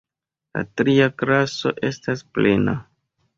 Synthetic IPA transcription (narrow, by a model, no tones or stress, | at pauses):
la̰tɾiaklaso̞̰ʔe̞stasple̞na̰